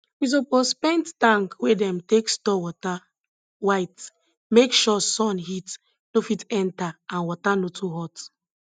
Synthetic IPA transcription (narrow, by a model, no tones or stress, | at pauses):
wis̬opozpɛ̃nttãŋkwedɛ̃mtekstɔwɔta | waɪt | mekʃɔsɔ̃nhit | nofitɛ̃ntaãnwɔtanotʰuɦɔt